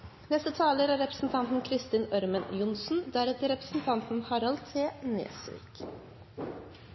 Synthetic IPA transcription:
nɛst̪ət̪ʰɑːləɾæɾɛpɾə̥sn̩t̪ʰɑnt̪n̩kʰɾɪst̪iːnœɾmənjʊnsn̩d̪æɾɛt̪əɾɛpɾə̥sn̩t̪ʰɑnt̪n̩hɑɾɑlt̪ʰːeːnḛːsʋḭːk

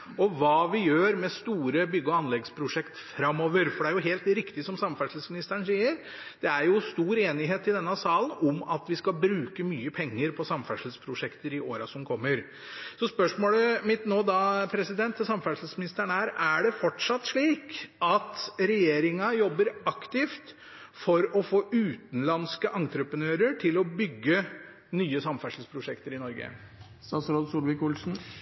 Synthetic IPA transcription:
ɔʋɑːʋɪjøːɾmɛst̪uːɾəbʏɡːəɔɑnlɛɡspʰɾʊʂɛkt̪fɾɑmːɔːʋəɾfɔɖɛæɾjʊɦeːlt̪ɾɪkt̪ɪsɔmsɑmfæʂl̩smɪnɪst̪əəɳ̩siːəɾ | d̪̥ɛæɾjʊst̪uːɾeːnɪɦeːt̪ɪd̪ɛnːɑsɑːlənɔmɑt̪ʋɪskɑbɾʉːkəmyːəpʰɛŋːəɾpʰɔsɑmfæʂl̩spʰɾʊʂɛkt̪əɾɪʔoːɾɑsɔmkʰɔmːəɾ | sɔspœʂmoːləmɪt̪noːd̪ɑpʰɾɛsɪd̪ɛnt̪ʰːsɑmfæʂl̩smɪnɪst̪æɳəæɾæɖɛfɔʈʂɑt̪ːʂɭiːkɑt̪ɾɛjeːɾɪŋɑjɔbːəɾɑkt̪ɪft̪ | fɔɾɔfoːʔʉːt̪n̩lɑnskəʔɑŋt̪ɾəpənøːɾəʈʰɪlɔbʏɡːə | nyːəsɑmfæʂl̩spʰɾʊʂɛkt̪əɾɪnɔɾɡə̰ | st̪ɑsɾoːd̪suːlʋɪkʊlsn̩

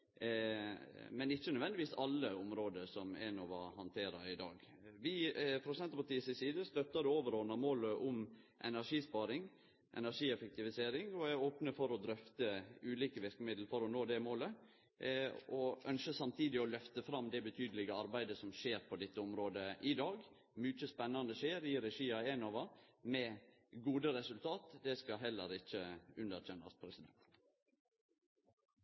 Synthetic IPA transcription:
mɛnɪçːənʉʋɛnd̪ɪʋiːsɑlːəʊmɾoːd̪əsɔmɛ̰noːʋɑhɑnt̪ʰeːɾɑɪd̪ɑ̰ːɡ | ʋɪfɾʊsɛnt̪ɔpɑʈ̪iːsɪsiːd̪əst̪œt̪ːɑd̪ɛoːʋəɾɔːnɑmoːləʔʊm | ʔɛ̰næɾʂiːspɑːɾɪŋ | ʔɛ̰næʂiːɛfək̚t̪ɪʋɪseːɾɪŋɔæɾoːpnəfɔɾɔd̪ɾœft̪əʉːliːkəʋɪɾkəmɪd̪l̩fɔɾɔnoːd̪ɛmoːlə | ʔɔʔœnʃəsɑmt̪ʰiːd̪ɪɔlœft̪əfɾɑmd̪ɛbət̪ʰyːd̪əlɪɡəɑɾbæɪd̪əsɔmʃeːɾpʰɔd̪ɛt̪ːəɔmɾoːd̪əʔɪd̪ɑːɡ | mʏt͡ʃəspɛnːɑnəʃeːɾɪɾɛʂiːɑɛnɑʋɑmɛ | ɡuːd̪əɾɛsʉlt̪ʰɑːt̪d̪ɛskɑɦɛlːə̰ɾɪçːəʉnəɾtʰɛnɑ̰spʰɾɛsɪd̪ɛ̰nt̪

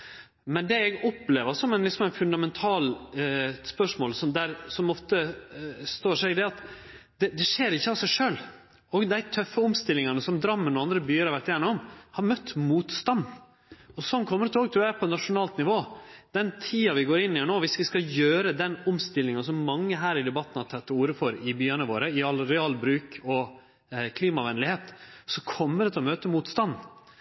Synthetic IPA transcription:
mɛnd̪ɛɛɡɔpːleːʋəɾsɔmɛɪnlɪksɔmæɪnfʉnd̪ɑmɛnt̪ʰɑːl | spœʂmoːlsɔmd̪æɾsɔmɔft̪əst̪oːʂɛɪɡd̪ɛɑt̪ | d̪̥ɛd̪ɛʂeːɾɪçːəɑsæɪʂøːl | ɔɡd̪æɪt̪ʰœfːəɔmst̪ɪlːɪŋɑnəsɔmd̪ɾɑmːənɔɑnd̪ɾəbyːəɾɑɾʋæʈ̪jæːɾnəɔmhɑɾmœt̪ːmuːt̪st̪ɑnd̪ | ɔsɔnkʰɔmːəɾət̪ʰoːɡ̚t̪ʰɾʉːjæpʰɔnɑʂʊnɑːlt̪nɪʋoːd̪̥ɛnt̪ʰiːɑʋɪɡoːɾɪnːɪhæɳoːʋɪsʋɪskɑjøːɾəd̪ɛnʊmst̪ɪlːɪŋɑnsɔmːɑŋːəɦæːɾɪd̪ɛbɑt̪ːən̩hɑt̪ʰɛt̪ːuːɾəfɔɾɪbyːənəʋoːɾəɪɑlɾɛɑːlbɾʉːkɔ | kʰliːmɑʋɛnlɪheːt̪sɔkʰɔmːəɾɛt̪ʰlɔmøːt̪əmuːt̪st̪ɑnː

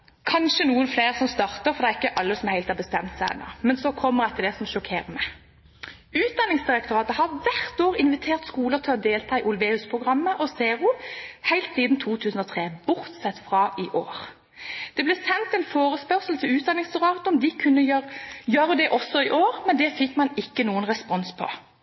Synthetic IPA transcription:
kʰɑnʃənuːənfleːʁsɔmst̪ɑʁt̪əʁfɔɾd̪ɛʁɪkːəʔɑlːəsɔmheɪlt̪hɑʁbəst̪ɛmt̪sæɪɛ̰nɑ̰mɛnsɔkʰɔmːəʁæt̪ʰːəlɛsɔmʃɔkʰeːʁənɛ | ʉːt̪̚d̪ɑnːɪŋsd̪ɪɾɛk̚t̪ʊʁɑːt̪əhɑʋæʁt̪oːʁɪnʋɪt̪ʰeːʁt̪skuːlət̪ʰɪlɔd̪eːlt̪ʰɑːɪʔʊlʋeːʉspʰʁʊɡʁɑmːəʔɔseːʁuːhæɪlt̪siːd̪n̩t̪ʰuːt̪ʰʉːsn̩ɔːt̪ʰʁeːbʊʁt̪sɛt̪ːfʁɑːʔɪʔoːʁ | d̪̥ɛblɛːsɛnt̪ɛnfoːʁəspœʁsəl̩t̪ʰɪlʉːt̪̚d̪ɑnɪŋsd̪ɪʁɑːt̪əɔmd̪ɪkʰʉnːəjjœːɾəd̪ɛʔɔsːɔɪʔoːʁmɛnd̪ɛfɪkːmɑnɪkːənuːənʁɛspɔnspʰɔ̰

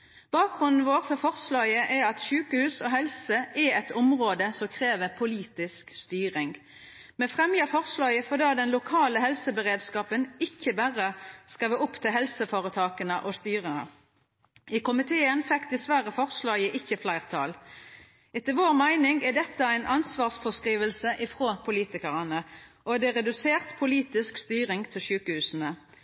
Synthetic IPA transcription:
b̥ɑːk̚ɡʁʉnd̪n̩ʋoːʁfɔfɔʁslɑːjəʔɛɾɑt̪ʃʉːkəhʉːsɔɦɛlsəʔɛɛt̪ʊmʁoːd̪əsɔkʰʁeːʋəʁpʰʊliːt̪ɪskst̪yːʁɪŋ | mɛfʁɛmjɑfɔʁslɑːjəfɔʁd̪eːd̪ɛnlʊkʰɑːləɦhɛlsəbəʁeːd̪skɑːpənɪçːəbæʁəskɑʋɪʊpt̪ʰɪlɦɛlsəfoːʁət̪ʰɑːkənəʔɔst̪yːʁənə̰ | ɪkʊmɪt̪ʰeːənfɛkd̪ɛsʋæʁəfɔʁslɑːjəʔɪçːəflæɪʁt̪ʰɑ̰ːl | ɛt̪əʋoːʁmæɪnɪŋɡæd̪ɛt̪ːəæɪnʔɑnsʋɑːʁsfɔskʁiːʋəlsəʔɪfʁoːpʰʊliːt̪ɪkəʁɑnəʔɔd̪ɛʁɛd̪ʉseːʁt̪pʰʊliːt̪ɪskst̪yːʁɪŋɡt̪ʰɪlʃʉːkəhʉːsn̩ə

